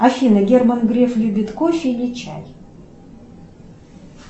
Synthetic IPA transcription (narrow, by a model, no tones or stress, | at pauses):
afʲinəɡʲermanɡɾʲeflʲid̪ʲit̪kofʲinʲet͡ɕa̰j